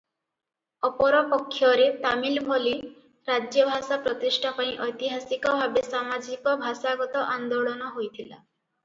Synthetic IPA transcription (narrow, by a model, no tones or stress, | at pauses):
ɔpɔɾɔpɔkʰːjɔɾet̪amilbʱoli | ɾad͡ʒjɔbʱasapɾɔt̪isʈʰapaĩʔɔjt̪iɦasikɔbʱabesamad͡ʒikɔbʱasaɡɔt̪ɔʔand̪oɭɔnɔɦojt̪ʰila̰